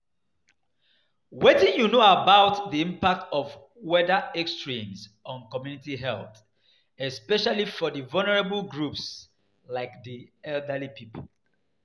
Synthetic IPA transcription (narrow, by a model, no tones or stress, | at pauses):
wetĩnjunoabaʊtdiĩmpak̚tʰɔv | wɛdəɛkstɹĩmsɔ̃nkɔmjunitiɦɛlˠθ | ɛspɛʃalifɔðivalnəɹabəlɡɹups | laɪkdiɛldəlipʰipʰol